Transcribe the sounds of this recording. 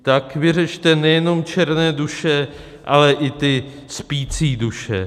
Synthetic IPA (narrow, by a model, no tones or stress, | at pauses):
t̪akvɪrɛt͡ʃt̪ɛnɛjɛno̞mt͡ʃɛɾnɛːduʃɛ | ʔalɛʔɪt̪ɪ | spiːt͡siːduʃɛ̰